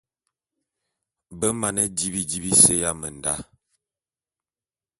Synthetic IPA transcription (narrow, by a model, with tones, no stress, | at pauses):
bə˦ma˨nɛ˦di˦bi˨di˦bi˦se˦ja˦mə˨n˨da˦